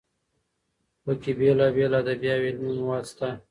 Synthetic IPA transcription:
wəkibelabelad̪abjɑːwelmunwɑːst̪a

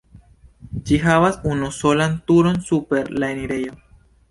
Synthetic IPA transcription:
t͡ʃixaβasunosolant̪uɾonsupeɾlaeniɾejo

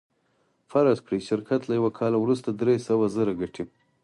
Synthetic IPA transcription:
faɾazkɽiʃɪɾkʰat̪lajawakʰɑlawɾust̪ad̪ɾesawazəɾaɡaʈʰi

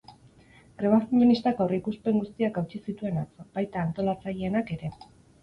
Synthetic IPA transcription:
ɡɾeβaθiɲonist̪akawrikuspe̞ŋɡust̪iakawt͡ʃisit̪ue̞nat͡sobajt̪aːnt̪o̞lat͡saʎeenake̞ɾe̞

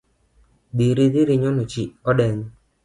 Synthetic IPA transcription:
d̪iɾid̪ɪɾɪɲɔnot͡ʃiɔdɛŋ

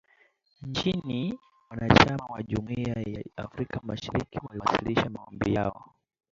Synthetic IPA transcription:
ɲt͡ʃini | wanat͡ʃamawaʄumiajaafɾikʰamaʃaɾikiwaliwsiliʃamaɔmbijaɔ̰

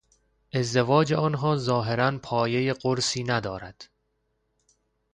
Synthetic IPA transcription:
ʔe̞zd̪evɒːd͡ʒeɒːnɦɒːzɒːɦe̞ɾænpʰɒːje̞jeɢoɾsiːnæd̪ɒːɾæd̪̥

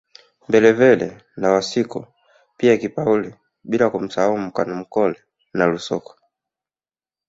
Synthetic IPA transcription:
mbɛlɛvɛlɛ̰ | nawasiku | piakipauli | ɓilakum̩sahaum̩ka̰nɔm̩kɔlɛ | nalusɔ̰kɔ̥

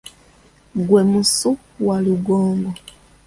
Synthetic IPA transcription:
ɡwe̞musu | waliɡoːmbo

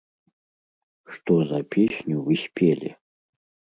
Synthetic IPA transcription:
ʂt̪ozapʰʲesʲnʲuvɨsʲpʲʰelʲɪ̰

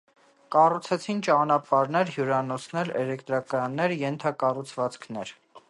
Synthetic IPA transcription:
kɑrut͡sʰɛt͡sʰint͡ʃɑnɑpɑɾnɛɾɦjuɾɑnɔt͡sʰnɛlɛlɛkt̪ɾɑkɑjɑnːɛɾjɛnt̪ʰɑkɑrut͡sʰvɑt͡skʰnɛɾ

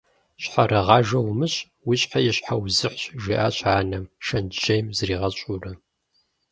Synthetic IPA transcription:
ɕħarɐʁɑːʒɐwmɨɕʼ | wiɕʼħajɛɕħawzɨħɕʒiːʔaːɕʼaːnɐmʃɐnʒejmzriːʁɐɕʼuːrɐ

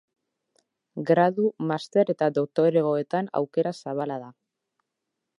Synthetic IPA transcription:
ɡɾaðumast̪e̞ɾe̞t̪ad̪o̞k̚t̪o̞ɾeɣo̞e̞t̪ana̰wke̞ɾasaβ̞alaða

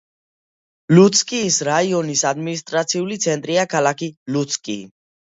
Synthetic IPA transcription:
lut̪skʼiːsɾaiɔnisad̪minis̬t̪ʼɾat̪sʰiulit̪sʰɛnt̪ʼɾiakʰalakʰilut̪sʰkʼḭː

